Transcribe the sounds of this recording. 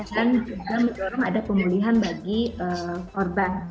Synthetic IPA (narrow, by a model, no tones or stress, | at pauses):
aand͡ʒuɡamədɔɾaŋadapəmuliɦanbaɡiəkɔrban